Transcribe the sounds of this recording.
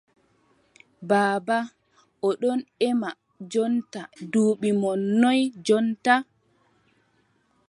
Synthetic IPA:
baːba | ʔɔɗɔnɛma | d͡ʒɔntaduːɓimɔnːɔjd͡ʒɔnta

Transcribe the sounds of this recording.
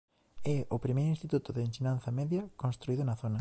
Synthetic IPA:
ɛopɾimejɾʊinst̪it̪ut̪ʊðeensinanθɐmɛðjɐkonst̪ɾuiðʊnɐθonɐ

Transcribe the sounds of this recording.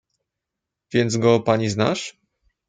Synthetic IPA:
vʲjɛnd̪zɡɔpaɲizna̰ʂ

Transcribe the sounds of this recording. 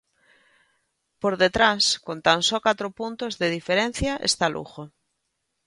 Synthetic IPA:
poɾðet̪ɾaskont̪ansɔkat̪ɾopunt̪ozðeð̞ifeɾen̟θjɐʔḛst̪alʔṵxo

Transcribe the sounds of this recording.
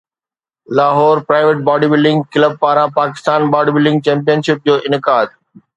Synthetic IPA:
laːɦɔːɾpɾaːɪʋeʈ̚baːɖibɪlɖɪ̃ŋɡkɪləb̚paːɾãpaːkɪ̥st̪aːnbaːɖibɪlɖɪ̃ŋɡ̚t͡ɕɛ̃ːmpijənʃɪp̚d͡ʑoːʔɪnɪkaːd̪

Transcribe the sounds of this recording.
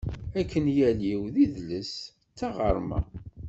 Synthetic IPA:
ækːənjæliwðiðləs | t͡sːɑʁəɾˤmæ̰

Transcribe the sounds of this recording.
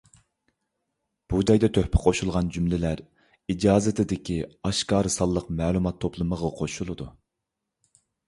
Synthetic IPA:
b̥ud͡ʒɑjd̪ɛt̪ʰøhpʰɪ̥qʰoʃulˠʁɑnd͡ʒymlɪlæɾ | id͡ʒɑːzɪt̪ʰɪd̪ɪkʲʰiɑʃkɑːɾɨsɑlˠːəqmɛːlˠumɑt̪ʰːoplˠɨməʁɑqʰoʃulˠɨd̪u

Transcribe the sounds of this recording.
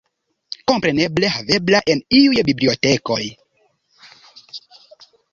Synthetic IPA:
kompɾeneblehaveblaʔeniujbibliotekoj

